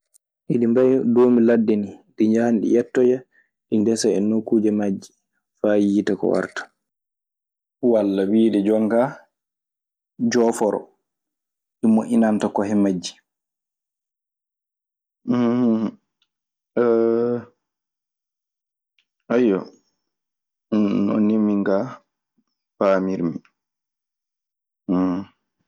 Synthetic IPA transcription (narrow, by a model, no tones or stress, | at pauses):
ʔiɗimbajdoːmiladːɛniɗiɲd͡ʒahnɗḭjɛtːɔja | ɗindɛsaɛnokːuːd͡ʒɛmad͡ʒːi | fajiːtakɔ̰wa̰ɾtḁ | walːawiːɗɛd͡ʒɔŋɡa | d͡ʒɔːfɔɾɔ̰ | ɗimoʔinantakɔɦɛmad͡ʒːi̥ | ajɔ | nɔ̰nimːiŋɡa | faːmiɾmi